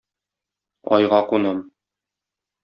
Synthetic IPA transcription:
ɒ̰jʁɑqunɤm

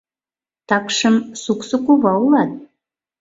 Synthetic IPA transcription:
t̪ɑkʃəmsuksəkuβɑulˠɑt̪̚

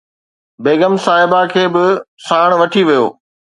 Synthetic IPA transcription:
beːɡəmsaːɦɪbakʰeːbɪsaːɽ̃ʋɐʈʰiʋijo̰ː

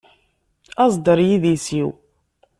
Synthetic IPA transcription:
ɑzˤd̪əɾˤjiðisiw

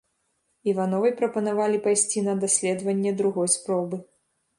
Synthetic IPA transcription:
ivanɔvɐjpɾɐpɐnavalʲipajsʲt͡sʲinɐd̪asʲlʲɛd̪vɐnʲːɛd̪ɾuɣɔjspɾɔbɨ

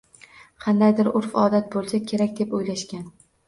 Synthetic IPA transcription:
qʰɑnd̪ajd̪ɪɾʊɾfɒːd̪at̪̚bolˠsakʲʰe̞ɾakʲd̪e̞pojlaʃkʲan

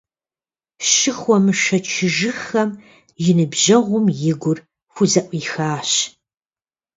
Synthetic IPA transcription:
ʃɨxʷɔmɨʃɐt͡ʃʰɪʒɨxɐm | jɪnɨbʑɐʁʷʊmjɪɡʷʊr | xʷʊzɐʔʷʼiːxaːɕ

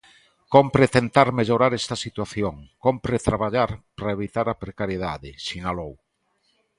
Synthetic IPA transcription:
kompɾet̪ent̪aɾmeʎoɾaɾɛst̪asit̪waθjoŋkompɾet̪ɾaβaʎaɾpɾaeβit̪aɾapɾekaɾjeðaðɪsinalow

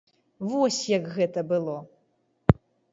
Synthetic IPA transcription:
vɔsʲjɐkɣɛt̪ɐbɨlˠɔ

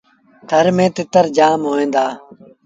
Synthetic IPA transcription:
t̪ʰəɾmẽːt̪ɪt̪əɾd͡ʒaːmɦoːẽːnd̪aː

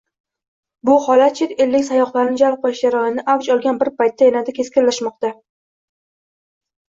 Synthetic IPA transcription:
bʊhɒlat̪̚t͡ʃʰɪt̪elːɪkʲsajɒχlˠaɾɪnɪd͡ʒalˠp̚qʰolɪʃd͡ʒaɾɒjɪnɪʔawt͡ʃɒlˠɡʲanbɪɾpʰajt̪ːajanad̪akʲʰe̞skʲɪllːaʃmɒq̚t̪a

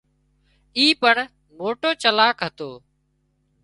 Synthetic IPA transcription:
iːpəɳ | moːʈoːt͡ʃəlaːkɦət̪oː

